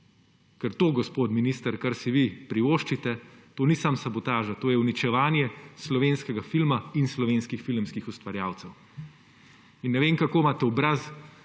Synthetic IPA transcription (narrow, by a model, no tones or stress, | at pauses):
kɛɾt̪oːɡɔspoːt̪minist̪əɾkaɾsiʋipɾiʋoːʃt͡ʃit̪ɛt̪oːnisamsɐbɔt̪aːʒat̪oːjɛwnit͡ʃɛʋaːnjɛslɔʋeːnskɛɡafilmainslɔʋeːnskixfilmskixust̪ʋaɾjaːwt̪sɛw | inːɛʋeːŋkakoːmaːt̪ɛɔbɾas